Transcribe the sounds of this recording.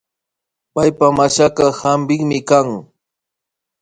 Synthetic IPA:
pajpamaʃakɑhambɪŋmɪkaŋ

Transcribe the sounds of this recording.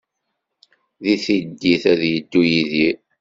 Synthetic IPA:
ðiθid̪ːiθæðjəd̪ːujiði

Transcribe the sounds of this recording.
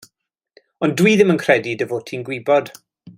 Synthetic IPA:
ɔndwiːðɪmənkʰr̥ɛdidəvoːtʰinɡwɪbɔd̥

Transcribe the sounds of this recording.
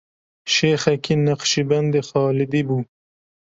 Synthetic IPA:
ʃexakinaqʃiband̪exɑːlɪd̪ibu

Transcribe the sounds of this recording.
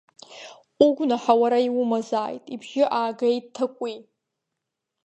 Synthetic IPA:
uɡʷnaħawaɾaiwʊmazaːjtʼibʒʲɪʔaːɡejttʰːakʷʼi

